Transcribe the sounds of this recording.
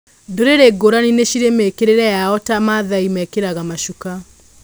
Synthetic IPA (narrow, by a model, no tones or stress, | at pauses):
doɾeɾeɡoɾanineɕiɾemekeɾeɾɛjaɔtamaðaimɛkeɾaɣamaʃuka